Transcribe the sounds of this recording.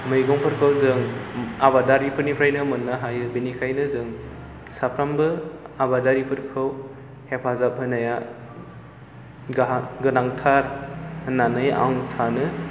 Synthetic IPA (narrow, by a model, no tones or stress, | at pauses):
mɯjɡɔŋpʰɯɾkʰɯwzɯŋabadaɾipʰɯɾnipʰɾajnɯmɯnːaɦajɯbinikʰajnɯzɯŋ | sapʰɾambɯabadaɾipʰɯɾkʰɯw | hepʰazap̚ɦɯnaja | ɡɡɯnaŋtʰaɾhɯnːanɯjʔa̰wŋsanɯ